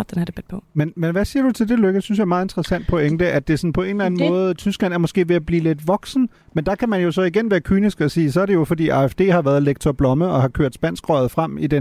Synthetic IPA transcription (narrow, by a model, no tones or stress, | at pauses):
d̥enæd̥eb̥̚pʰɔmenmenʋæsiːɐd̥ut͡sʰe̝ld̥e̝løɡ̥əsyns̬ɕjɑ̈ɪmɑ̈ːðˠe̝nd̥ʁɐsæn̰d̥̚pʰo̽eŋd̥əʔæd̥e̝sɒ̽n̩pʰɒ̽e̝ːn̩læn̩mmɔ̽ːð̞̩ˠt͡sʰysɡ̥lænæɐmɒ̽sɡ̥e̝̰ːʋe̝æb̥liːle̝d̥ʋɒ̽ɡ̥sn̩ | mend̥ɑ̈kʰæmænjo̝sɒ̽iɡ̥enʋæːɐkʰy̰ːnisɡ̥ɒ̽siːsɒæɐɾ̥e̝jo̝fɒd̥ḭːɑ̈efd̥e̝̰ːhɑ̈ʋæːɐðˠleɡ̥̚t͡sʰɒb̥lɒ̽məð̩ˠɒ̽hɑ̈kʰøɐ̰d̥sb̥æn̰sɡ̥ʁɒɪð̞̩ˠfʁam̰id̥e